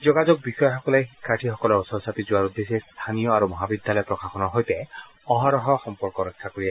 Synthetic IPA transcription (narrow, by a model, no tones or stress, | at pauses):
zɔɡazɔk̚bixɔjɔxɔkɔlejxikʰːaɹʈʰixɔkɔlɔɹsɔsat̪izʊwaɹud̪ːesest̪ʰanijɔaɹumɔɦabid̪ʱjalɔjɔpɹɔkaxɔnɔɹɦojtɛ | ɔɦaɹɔɦɔxɔmpɔɹkɔɹɔkʰːakoɹiɛ